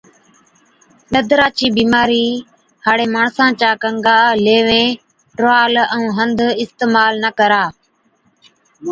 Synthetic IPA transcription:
ɗəd̪ɾaːt͡ʃiːbiːmaːɾiː | haːɽeːmaːɳsãːt͡ʃaːkəŋɡaːleːʋẽː | ʈɾaːləũːɦənd̪ɪst̪eːmaːlnəkəɾaː

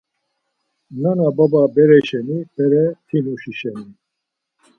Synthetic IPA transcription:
nanabababɛɾɛʃɛnipɛɾɛt̪ʰinuʃiʃɛni

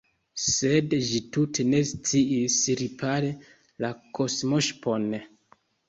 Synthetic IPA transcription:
se̞dʒitutʰe̞ne̞st͡siisɾipʰaɾe | lakʰo̞smoʃpon

